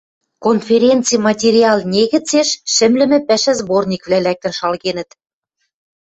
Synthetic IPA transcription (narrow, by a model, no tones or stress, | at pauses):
konfʲeɾʲent͡sɨjmɑtʲeɾʲiɑlˠnʲeɣɘ̆t͡seʃːɘ̆mlɘ̆mɘ̆pæ̆ʃɘ̆zbornʲikvlælæk̚t̪ə̆nʃɑlɣenə̆t̪